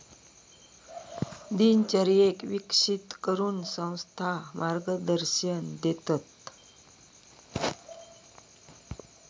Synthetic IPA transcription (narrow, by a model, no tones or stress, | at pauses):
d̪int͡ɕəɾijekʋikʂit̪kəɾuːnsə̃w̃st̪ʰamaɾɡəd̪əɾɕənd̪et̪at̪